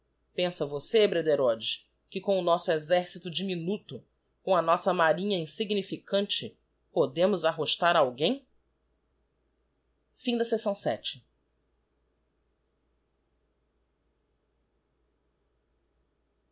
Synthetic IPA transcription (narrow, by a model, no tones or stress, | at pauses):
pẽsɐvosebɾed̪eɾɔd͡ʒɪʃ | kɪkõʊnɔsʊezɛɾsit̪ʊd͡ʒɪminut̪ʊ | kõɐnɔsɐmaɾĩɲɐĩsiɡnifikɐ̃nt͡ʃɪ | pod̪ẽmʊzaɦoʃt̪aɾawɡẽj̃ | fĩd̪ɐsesɐ̃w̃sɛ̰t͡ʃɪ̥